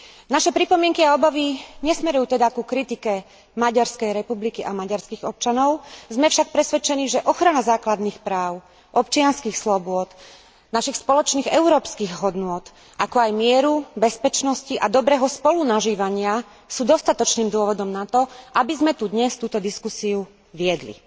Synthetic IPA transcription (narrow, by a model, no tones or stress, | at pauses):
naʃɛpɾipɔmɪɛŋkiaɔbaʋiɲɛsmɛɾujuːt̪ɛd̪akukɾit̪ikɛ | maɟaɾskɛjɾɛpublikiʔamaɟaɾskiɣɔp̚t͡ʃanɔʊzmɛfʃak̚pɾɛsʋɛt͡ʃɛniːʒɛʔɔxɾanazaːklad̪nixpɾaːʊ | ʔɔpt͡ʃɪanskixslɔbʊɔd̪̥ | naʃixspɔlɔt͡ʃniːɣɛʊɾɔːpskiɣɦɔd̪nʊɔt̪ | ʔakɔajmɪɛɾubɛspɛt͡ʃnɔsciʔad̪ɔbɾɛːɦɔspɔlunaʒiːʋaɲɪa | suːd̪ɔst̪at̪ɔt͡ʃniːmd̪ʊɔʋɔd̪ɔmnat̪ɔʔabizmɛt̪ud̪ɲɛst̪uːt̪ɔd̪iskusiu | ʋɪɛd̪lḭ